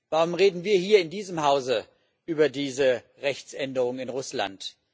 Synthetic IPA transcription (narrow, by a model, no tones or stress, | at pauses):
vaʁʊmʁeːdn̩viːɐhiːɐɪndiːzəmhaʊzə | ʔyːbɐdiːzə | ʁɛçt͡sʔɛndəʁʊŋɪnʁʊsla̰nt